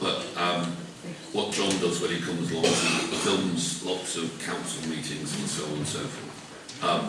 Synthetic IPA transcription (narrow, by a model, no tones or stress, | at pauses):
b̥əʔʌ̃m | wɒʔ̚d̥ʒ̥ɒ̃ndʌzwə̃nikʰʊ̃məzlɒ̃ŋəzifɪlˠmz̥lɒtsəv̥kʰãʊ̃nsəlˠmiˑtʰɪ̃ŋzə̃nsoʊə̃nsoʊfɔ̰ˑθ | ʌ̃m